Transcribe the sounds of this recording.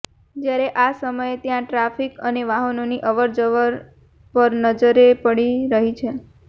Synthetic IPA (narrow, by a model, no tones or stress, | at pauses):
d͡ʒjaɾeʔasəməjet̪jãʈɾafikəneʋaɦənoniʔəʋəɾd͡ʒəʋəɾ | pəɾnəd͡ʒəɾepəɽiɾəɦit͡ʃʰe